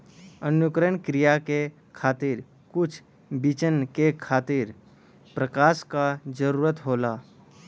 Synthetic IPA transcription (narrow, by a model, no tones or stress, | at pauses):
ənjʊkɾəɳkɾijake | kʰaːt̪iːɾ | kʊt͡ʃʰ | bit͡ʃənkekʰaːt̪iɾ | pɾəkaːʃkad͡ʒəɾuːɾət̪ɦoːlaː